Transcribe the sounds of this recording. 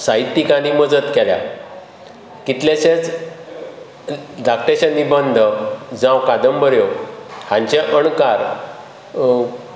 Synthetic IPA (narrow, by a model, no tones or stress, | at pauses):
saɦit̪ːikaniməd͡zət̪kɛlja̰ | kit̪leɕet͡s | dak̚ʈeɕə̃nːibənd̪ʱəd͡zãwkad̪əmbəɾjohãɲt͡ɕeʔəɳkaɾ